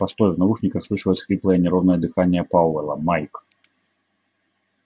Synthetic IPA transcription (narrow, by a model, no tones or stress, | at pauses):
past̪ɔjʲwnavuʂnʲikɐxsˠɨʂɐvɐt͡sʲxlʲiplˠɐjɐnʲɛɾɔwnɐɐd̪ɨxanʲːɛjɐpawɛlˠɐmajk